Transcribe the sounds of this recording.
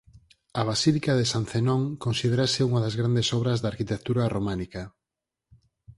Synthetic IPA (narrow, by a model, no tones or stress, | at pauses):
ɐβ̞asilikaðesan̟θenõŋkonsiðeɾasɪuŋaðazɣɾand̪esɔβɾɐzðaːɾkit̪ekt̪uɾaromanikɐ